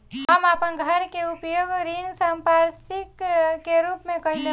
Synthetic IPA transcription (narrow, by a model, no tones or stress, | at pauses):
ɦəmapənɡʱəɾkeupjoɡɾiŋsəmpaɾsikkeɾupmẽkəld̪e